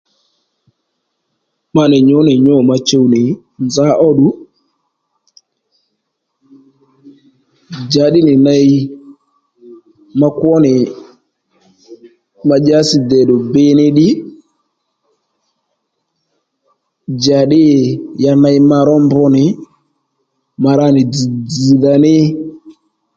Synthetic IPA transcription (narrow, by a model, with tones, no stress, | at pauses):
ma˧nɪ˨ɲʊ˨˦nɪ˨ɲɔ˦˨ma˧t͡ʃe˦wnɪ˨ | nza˦ʔɔ˦ɗʊ˦ | d͡ʒa˨ɗɪ˦nɪ˨na˦j | ma˦kwɔ˦nɪ˨ | ma˧d͡ʒa˦sɪ˨d̪ɛ˨ɗɔ˨bɪ˦nɪ˦ɗɪ˦ | d͡ʒa˨ɗɪ˦˨ja˧na˧jma˧ɾɔ˦mbɔ˦nɪ˨ | ma˧ɾa˦nɪ˨d͡zi˨d͡zi˨ða˨nɪ˦